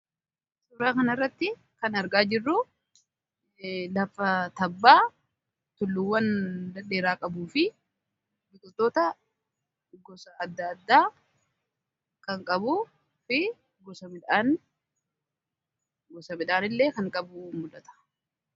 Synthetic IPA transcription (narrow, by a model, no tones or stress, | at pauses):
suːɾaːkɐnɐrːɐt̪ːɪ | kɐnɐɾɡaːd͡ʒɪrːu | lɐfːɐt̪ɐbːaː | t̪ʊlːʊwːɐnd̪ɐne̞ːɾaːkʼɐbuːfɪ | bɪt̪ʼɔt̪ːoːt̪ɐ | ɡɔsɐɐd̪ːɐːd̪ːaː | kɐŋkʼɐbu | fɪ | ɡɔsɐmɪᶑaːn | ɡɔsɐmɪᶑ̪aːnɪlːe̞ːkɐŋkʼɐbʊmʊd̪ɐt̪ɐ̥